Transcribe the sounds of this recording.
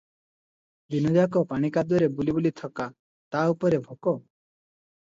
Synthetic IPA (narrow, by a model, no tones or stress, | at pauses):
binɔd̪akɔpaɽ̃ikad̪ɔɾebulibulit̪ʰɔka | t̪aupɔɾebʱɔkɔ